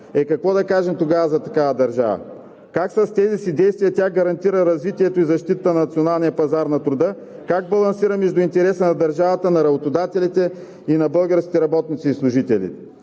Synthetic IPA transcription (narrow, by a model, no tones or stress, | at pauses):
ɛkɐkvɔd̪ɐkaʒɛmt̪oɡavəzɐt̪ɐkavɐd̪ɐɾʒa̰və̰ | kaksɐst̪ɛzisid̪ɛjst̪vijɐt̪ʲaɡɐɾɐnt̪iɾəɾɐzvit̪iɛt̪oizɐʃt̪it̪ət̪ənɐnɐt̪sionalˠnijɐpɐzaɾnɐt̪ɾʊd̪ɤ | kaɡ̚bɐlˠɐnsiɾəmɛʒd̪ʊint̪ɛɾɛsənɐd̪ɐɾʒavɐt̪ənɐɾɐbot̪od̪at̪ɛlit̪ɛ | inɐbɤlˠɡəɾskʲi̥t̪ɛɾɐbɔt̪nit̪siːslˠʊʒit̪ɛlḭt̪ɛ